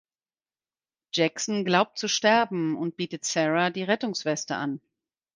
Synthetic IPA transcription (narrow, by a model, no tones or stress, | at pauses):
d͡ʒ̥ɛksnɡlaʊp̚t̚t͡suʃtɛɐbm̩ʊnt̚b̥iːtətsɛʁadiːʁɛtʊŋsv̥ɛstə̰an